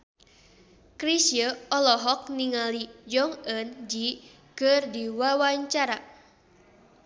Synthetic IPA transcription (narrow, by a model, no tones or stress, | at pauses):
kɾisiəɔlɔɦɔk̚niŋalid͡ʒɔŋənd͡ʒi | kərdiwawaɲt͡ʃaɾa